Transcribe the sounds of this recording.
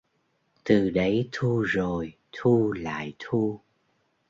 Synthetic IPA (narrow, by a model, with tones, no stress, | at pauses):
t̪ɨ˨˩ɗə˨˦jt̪ʰu˧zo˨˩j | t̪ʰu˧la̰ː˧˨jt̪ʰu˧